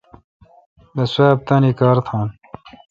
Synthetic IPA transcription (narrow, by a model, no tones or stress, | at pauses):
bɐswaːb̚t̪ɐniːkɑːɾt̪ʰɑ̃ːn